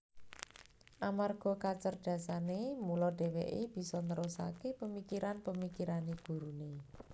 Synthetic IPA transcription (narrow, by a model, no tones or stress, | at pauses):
ʔamarɡ̥ɔ̤kat͡ʃərd̪̥ä̤sanemulɔɖ̥e̤wḛʔeb̥i̤sɔnəɾosa̰kepəmikiɾanpəmikiɾaneɡ̥ṳɾune